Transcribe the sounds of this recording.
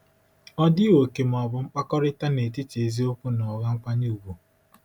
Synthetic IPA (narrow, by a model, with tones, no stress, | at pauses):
ɔ˦dɪ˦wo˨ke˨m̩˨ɔ˨bʊ˨ŋ͡m̩˦k͡pa˦kɔ˦ɾɪ˦ta˦ne˨tɪ˦t͡ʃe˨zi˦o˦kʷu˦nɔ˨ɣa˦ŋ͡m̩˦kʷa˦ɲu˦˨u˨bu˨